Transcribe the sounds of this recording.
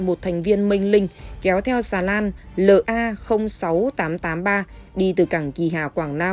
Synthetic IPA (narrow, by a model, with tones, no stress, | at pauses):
mo˨˩t̚t̪ʰɛ˨˩ŋ̟vi˧ənmï˧ŋ̟lï˧ŋ̟kɛ˨˦wt̪ʰɛ˧wsaː˨˩laː˧nlə̰ː˧˨˩ʔaː˧xə˧wŋ͡msa˨˦wt̪aː˨˦mt̪aː˨˦mɓaː˧ɗi˧t̪ɨ˨˩kaː˧˩ŋki˧˨˩ɦaː˧˩kwaː˧˩ŋnaː˧